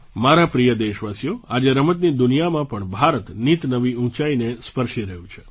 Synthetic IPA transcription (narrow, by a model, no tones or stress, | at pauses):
maɾapɾijəd̪eʃʋasijoad͡ʒeɾəmət̪nid̪ʊnijamãpəɳbʱaɾət̪nit̪nəʋiũt͡ʃainespəɾʃiɾəɦjũt͡ʃʰe̥